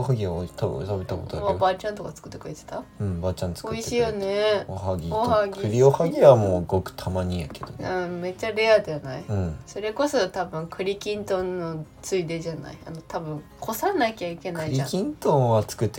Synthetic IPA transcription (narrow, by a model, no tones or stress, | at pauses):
ohaɡʲiat̪t̪abet̪akot̪oaabat͡ɕãnt̪o̞kat͡sɨ̥kɯ̟̥t̪ːekɯ̟ɾe̞t̪et̪aɯ̟̃bat͡ɕãnt͡sɨ̥koiɕiːjone̞oɦaɡʲiohaɡʲiɯɾʲiohaɡʲiβamoːɯɡo̞kɯ̟̥t̪ʰamaɲ̟ĩjake̞d̪̥onɯ̃me̞t͡ɕːaɾe̞ad̪eanaiɯ̃so̞ɾe̞ko̞so̞t̪abɯ̟̃ŋkʰɯ̟ɾʲikʲĩnt̪õ̞nːo̞t͡sɨid̪e̞ʑana̰ia̰no̞t̪abɯ̟̃ŋkʰo̞sanakʲaike̞naiɾʲiakʲĩnt̪õβat͡sɨ̥kɯ̟t̪ːe